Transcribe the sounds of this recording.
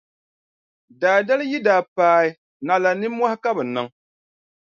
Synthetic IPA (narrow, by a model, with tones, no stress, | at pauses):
daː˨da˦lɨ˦ji˦daː˨paː˦ɪ˦ | na˨la˨nɨ˦mːwɔ˦hɪ˦ka˦bɨ˨nɨ˦ŋ